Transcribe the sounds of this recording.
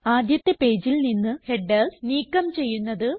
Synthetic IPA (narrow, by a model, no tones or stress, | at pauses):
aːd̪ʱjɐt̪ːe̞pe̞ːd͡ʑilninːɨhe̞ɖːelsniːkːɐmt͡ɕe̞jːunːɐðɨ